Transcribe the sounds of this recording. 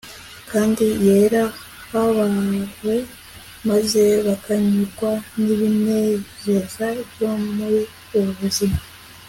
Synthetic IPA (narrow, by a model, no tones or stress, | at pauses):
kaːndijeɾa | haβaːŋɡwe̞ | maze̞βakaɲikwaniβine̞zezaβjo̞muɾi | uβuβuzima